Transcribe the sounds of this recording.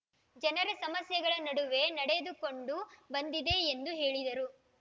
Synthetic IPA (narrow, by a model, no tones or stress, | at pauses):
d͡ʒɐnɐɾesɐmɐsjɐɡɐɭɐnɐɽuʋe̞nɐɽed̪uko̞ɳɖubɐnd̪id̪e̞ːnd̪uɦe̞ːɭid̪ɐɾu